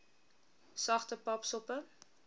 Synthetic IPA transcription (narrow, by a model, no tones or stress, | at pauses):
sɐχtəpɐpsɔpə